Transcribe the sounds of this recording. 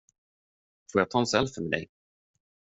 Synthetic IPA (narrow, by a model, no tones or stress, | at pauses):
fɾoːjat̪ʰɑːnsɛlfœmɛd̪ɛ̰j